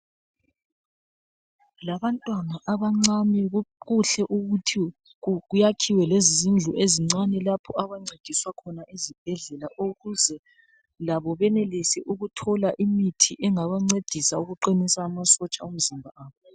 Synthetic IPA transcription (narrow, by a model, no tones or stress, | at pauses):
laβantʼwanaʔaβaŋ͡ǀamiɣuɬɛʔuɣutʰi | ɣujakʰiwɛlezizind͡ɮʱuʔeziŋ͡ǀanɛlapʰɔaβaŋ͡ǀʱeɡ̥ʱiswakʰɔnaʔizib̥ʱɛɮɛlaʔuɣuzɛ | laβɔβɛnelisɛʔuɣutʰɔlaʔimitʰiʔɛŋaβaŋ͡ǀed̥ʱisauɣuǃinisaːmasɔt͡ʃʼaum̩zimbʱaʔaːβɔ